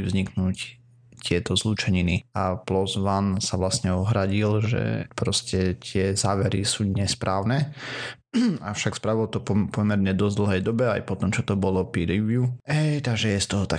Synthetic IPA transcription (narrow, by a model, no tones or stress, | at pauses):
ʋzɲiknuːc | t̪ɪɛt̪ɔzlut͡ʃɛɲiniaplɔzʋansaʋlasɲɛɔɦɾaɟilʒɛ̰pɾɔscɛt̪ɪɛzaːʋɛɾḭsuːɲɛspɾʔaːʊnɛ | a̰fʃakspɾaʋilɔt̪ɔpɔpɔmɛɾɲɛd̪ɔzd̪l̩ˠɦɛjd̪ɔbɛajpɔt̪ɔmt͡ʃɔt̪ɔbɔlɔpiɾiʋjuɛjt̪aɡʒɛjɛst̪ɔɦɔt̪a